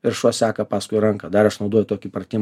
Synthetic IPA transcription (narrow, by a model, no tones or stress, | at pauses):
ɪɾʃuɔsʲɑːkɐpɑːskʊɪɾɐŋkɐd̪ɐɾɐʃnɐʊd̪oɔjʊt̪oːkʲiːpɾɐt̪ʲɪːm